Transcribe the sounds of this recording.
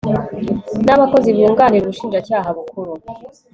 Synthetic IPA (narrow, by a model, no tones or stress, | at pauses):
naβako̞ziβuːŋɡaːniɾuβuʃiːnd͡ʒacaːɦaβukuɾu